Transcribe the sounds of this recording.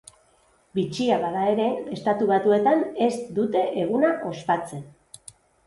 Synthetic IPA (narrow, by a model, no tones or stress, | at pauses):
bit͡ʃiaβaðae̞ɾe̞est̪at̪uβ̞at̪ue̞t̪ane̞sd̪ut̪e̞ʔeɣ̞unaʔo̞spat͡se̞n